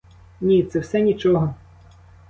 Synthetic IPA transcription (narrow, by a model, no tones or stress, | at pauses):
nʲit̪sɛwsɛnʲit͡ʃɔɦɔ